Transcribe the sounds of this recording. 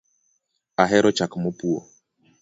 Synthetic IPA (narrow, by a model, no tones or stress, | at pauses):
aɦɛɾʔɔt͡ʃakmʊpuo̰